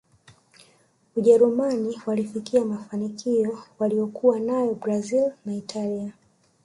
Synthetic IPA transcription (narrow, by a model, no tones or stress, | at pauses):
uʄɛɾumaniwalifikiamafanikiɔwaliɔkuwanajɔbɾazilnaitʰalia